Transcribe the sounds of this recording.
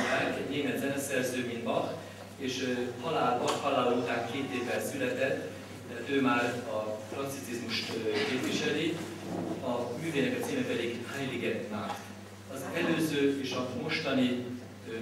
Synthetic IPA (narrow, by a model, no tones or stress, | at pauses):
aːkɛneːmɛt̪zɛnɛsɛrzøːminbɒx | eːʃhɒlaːlɒxhɒlaːloːt̪aːŋkeːt̪eːvːɛnsylɛt̪ɛt̪ː | øːmaːrɒfrɒnt̪sit̪izmuʃt̪keːpviʃɛli | ɒmyːveːnɛkɒt̪siːmɛpɛd̪iɡhaːɲliɡɛnt̪maːr | ɒzɛløːzøːeːʃɒbmo̞ʃt̪ɒni